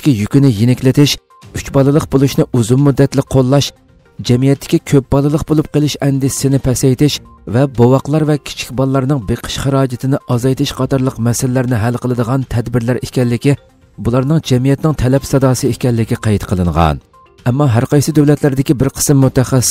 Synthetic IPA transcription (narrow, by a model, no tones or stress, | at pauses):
ɪ̥kʲijykʲynɪjinɪkʲlɪt̪ʰɪʃ | yt͡ʃbɑlˠɨlˠəqbolˠuʃnɨʔuzumːud̪ːɛt̪lɪk̚ʲqʰolˠːɑʃ | d͡ʒɛmijɛt̪ːɪ̥kʲikʲʰøp̚bɑlˠɨlˠəqbolˠup̚qəlˠɨʃɛnd̪ɪsɪnɪpʰɛsɛjt̪ɪʃ | vɛbowɑqlˠɑɾvɛkʲʰi̥t͡ʃʰi̥kʲbɑlˠlːˠɑɾnɨŋbeqʰə̥ʃχɑɾɑːd͡ʒɪt̪ʰɪnɪʔɑzɑjt̪ʰɪʃqʰɑt̪ɑɾlˠəqmɛsɪlɪlːæɾnɪɦælqʰəlˠɨd̪əʁɑnt̪ʰɛd̪bɪɾlæɾikʲɛlːɪkʲi | bulˠɑɾnɨŋd͡ʒɛmijɛt̪nɪŋt̪ʰɛlɛpsɑd̪ɑːsɨekʲɛlːɪkʲiqʰɑjt̪qʰəlˠɨɴʁɑ̰n | ɛmːɑɦæɾqɑjsɨd̪øwlɛt̪læɾd̪ɪkʲibɪɾqʰə̥sɨmːut̪ɛχɛ